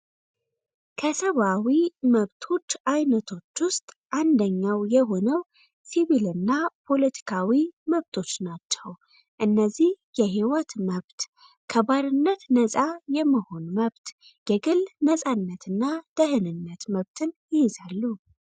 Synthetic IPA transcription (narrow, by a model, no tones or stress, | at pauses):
kʰəsəβawiməβt̪ʰo̞t͡ʃːʔajnət̪ʰo̞t͡ʃːwʊst̪ʼ | ʔand̪əɲːawjɛɦo̞nəw | siβilɨnːapʰo̞lət̪ʰi̥kʰawiməβt̪ʰo̞t͡ʃːnat͡ʃːɛw | ʔɨnːəzːih | jɛɦiwət̪məβt̪ | kʰəβaɾɨnːət̪nəsʼajɛmːəho̞nməβt̪ | ɡ̥ɛɡɨlnəsʼanːət̪ʰɨnːad̪̥əhɨnɨnːət̪məβt̪ʰɨnjɪjɪzalːu